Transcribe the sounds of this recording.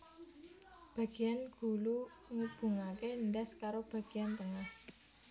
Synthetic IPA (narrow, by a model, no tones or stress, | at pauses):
b̥ä̤ɡ̥i̤janɡ̥ṳlu | ŋəb̥ṳŋakenɖɛskaɾob̥a̤ɡ̥i̤jant̪əŋah